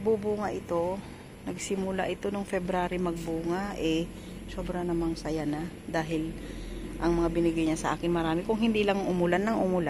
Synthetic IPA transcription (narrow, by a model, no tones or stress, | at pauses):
bubuːŋaʔɪt̪o̞ | nɐɡ̚sɪmʊlaʔɪt̪o̞noŋfɛbɾaːɾɪmɐɡ̚buːŋaʔɛ | so̞ːbɾɐnɐmaŋsɐjana | d̪aːɦɪl | ʔɐŋmɐŋabɪnɪɡajɲasɐʔa̰ːkɪnmɐɾaːmɪkʊŋhɪnd̪ilɐŋʊmʊlanɐŋʔʊmʊla